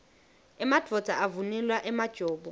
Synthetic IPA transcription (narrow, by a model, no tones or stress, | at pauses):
ɛmad̥ʱɔd͡z̥ʱʼaʔavunɛlwaʔɛmad̥ʒ̥ʱɔːbɔ